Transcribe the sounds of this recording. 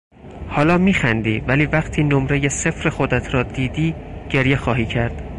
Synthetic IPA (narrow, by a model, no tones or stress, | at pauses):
hɒːlɒːmiːxænd̪iːvæliːvæqt̪ʰiːnomɾejese̞fɾe̞xo̞d̪æt̪ʰɾɒːd̪iːd̪iːɡ̥e̞ɾjexɒːɦiːcʰæɾd̪̥